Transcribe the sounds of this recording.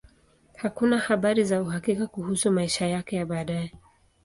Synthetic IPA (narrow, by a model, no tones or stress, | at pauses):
hakunahaɓaɾizauɦakikakuhusumaiʃajakɛjaɓaːɗajɛ